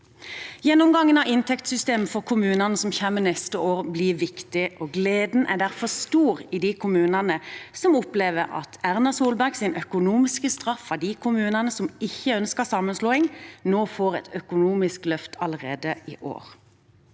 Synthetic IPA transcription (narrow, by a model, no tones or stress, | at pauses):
jɛnːɔmɡɑŋːənɑɪnt̪ʰɛkt̪sʏst̪eːməfɔʁkʰʊmʉːnɑnəsɔmçeːmənɛst̪əoːʁbliːʋɪkt̪ɪʔɔɡleːd̪n̩ʔæd̪æʁfɔst̪uːʁɪd̪ikʰʊmʉːnɑnəsɔmɔpleːʋəɾɑ̰t̪ʰæʁnɑsuːlbæʁɡsɪnœkʊnuːmɪskəst̪ʁɑfːɑd̪iːkʰʊmʉːnɑnəsɔmɪçːəœnskəsɑmənsluːɪŋnoːfoːɾɛ̰t̪œkʊnuːmɪsklœft̪ʰɑləʁeːd̪əḭʔo̰ːʁ